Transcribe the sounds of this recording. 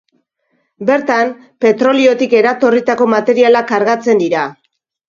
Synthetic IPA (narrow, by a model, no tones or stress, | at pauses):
be̞ɾt̪am | pe̞t̪ɾo̞lio̞t̪ike̞ɾat̪o̞rit̪ako̞mat̪e̞ɾialakaɾɣat͡se̞nd̪iɾa